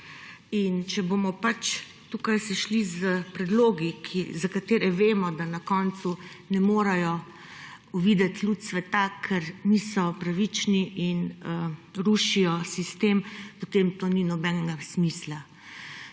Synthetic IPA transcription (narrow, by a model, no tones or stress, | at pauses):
int͡ʃɛbomɔpat͡ʃ | t̪ukajsɛʃlizəpɾɛd̪loːɡikʰizakat̪eːɾɛʋeːmɔd̪anakɔːnt̪su | nɛmoːɾajɔ | uʋiːd̪ɛt̪lut̪sʋɛt̪akʰɛɾnisɔpɾaʋit͡ʃniʔinəɾuʃijɔsist̪empɔt̪eːmt̪oninɔbɛnɡasmisla